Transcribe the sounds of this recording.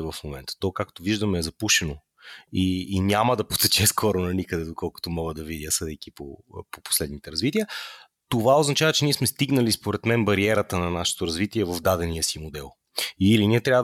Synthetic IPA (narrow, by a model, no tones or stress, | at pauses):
vɐfmomɛnt̪ə̥t̪ɔkakt̪oviʒd̪əmɛːzɐpuʃɛno | iːnʲaməd̪ɐpot̪ɛt͡ʃɛskʰɔɾonɐnikəd̪ɛd̪okɔlˠkʊ̥t̪omɔɡəd̪ɐvid̪ʲjəsɤd̪ɛjkipo̰popo̥slɛd̪nit̪ɛɾɐzvit̪iə | t̪ovaoznɐt͡ʃavɐt͡ʃɛniɛsmɛst̪iɡnəlispoɾɛt̪mɛnbɐɾiɛɾət̪ənɐnaʃɛ̥t̪oɾɐzvit̪iɛvɐvd̪ad̪ɛnijəsimod̪ɛlˠ | iliniɛt̪ɾʲavə